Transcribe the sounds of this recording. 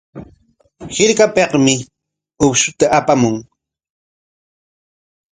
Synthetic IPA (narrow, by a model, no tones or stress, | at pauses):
hɪɾkapeqmɪ | ʊpʃʊt̪aʔːpamʊŋ